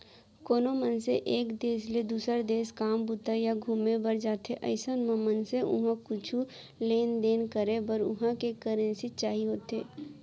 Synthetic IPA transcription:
koːnomənseʔeːkd̪eːsled̪uːsəɾd̪eːskaːmbʊt̪ajaɡʱuːmẽbəɾd͡ʒaːt̪eʔə̰ɪsənmə̃mənseʔʊ̰ɦãkʊt͡ʃʰu | leːnd̪eːnkəɾebəɾʊ̰ɦãkekəɾə̃nsit͡ʃaːɦiɦoːt̪eː

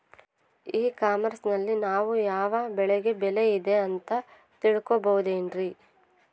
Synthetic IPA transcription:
iːkaːmɐɾsnɐlːinaːʋujaːʋɐbɛɭeɡe̞bɛle̞id̪e̞ɐnt̪ɐ | t̪iɭkobɐwud̪e̞ːnɾi

